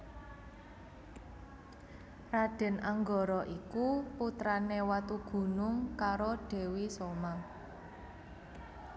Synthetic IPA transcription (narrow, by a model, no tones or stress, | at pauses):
raɖ̥ɛ̤nʔaŋɡɔɾɔʔikuput̪ɾanewat̪uɡ̥ṳnʊŋkaɾoɖ̥e̤wisoma